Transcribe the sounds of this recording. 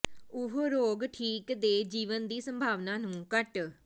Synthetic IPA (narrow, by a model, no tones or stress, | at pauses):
ʊɦoːɾoːɡʈʰiːkd̪eːd͡ʒiːʋənd̪iːsəmbʱaːʋnãːnũːkəʈ